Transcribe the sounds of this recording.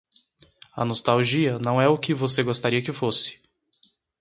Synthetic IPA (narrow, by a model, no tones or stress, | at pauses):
ɐ̰nost̪awʒiɐnɐ̃w̃ɛʊkɪvoseɡost̪aɾiɐkɪfosɪ̥